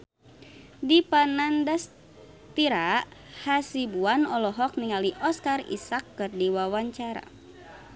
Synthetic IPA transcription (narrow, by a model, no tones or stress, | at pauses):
dipanandas | t̪iɾahasibuanɔlɔɦɔk̚niŋaliʔɔskarḭsakːɨrdiwawaɲt͡ʃaɾa̰